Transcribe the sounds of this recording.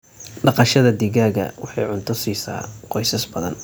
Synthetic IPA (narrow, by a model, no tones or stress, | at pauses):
ɖɑqɑʃɐðɐd̪ɪɣaːɣɐ̰wɑħɑjʕʊnt̪ʰʊsiːsa̰ːqɔjsɐsbɐðɐ̰n